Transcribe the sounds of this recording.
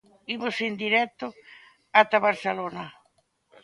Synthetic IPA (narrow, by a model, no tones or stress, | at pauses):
iβʊsend̪iɾɛt̪ːʊ | at̪aβaɾθelonɐ